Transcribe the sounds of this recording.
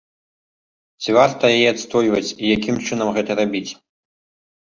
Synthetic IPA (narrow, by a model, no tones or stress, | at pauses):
t͡sʲivart̪ɐjajɛat̪st̪ɔjvɐt͡sʲijakʲimt͡ʂɨn̪ɐmɣɛt̪ɐɾabʲit͡sʲ